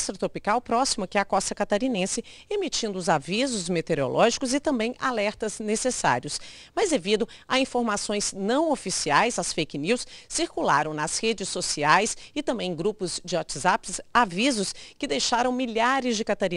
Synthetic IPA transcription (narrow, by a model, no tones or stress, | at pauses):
st̪ɾɐt̪ɾopikawpɾɔsimɐkɪɐkɔst̪ɐkat̪aɾinẽsɪ | emit͡ʃĩnd̪ʊʊzavizʊzmet̪eɾo̰lʔɔʒikʊzɪt̪ɐ̃mbẽj̃ʔa̰lɛɾt̪ɐznesesa̰ɾiʊs | mɐzd̪evid̪ʊ | aĩfoɾmasõj̃znɐ̃w̃ofisiajzɐsfejkniwsːiɾkula̰ɾɐ̃w̃nɐshed͡ʒɪsːosiajsɪt̪ɐ̃mbẽj̃ɡɾupʊzd͡ʒɪwɔt͡ʃɪzapsavizʊskɪd̪ejʃaɾɐ̃w̃miʎaɾɪzd͡ʒɪkat̪aɾĩ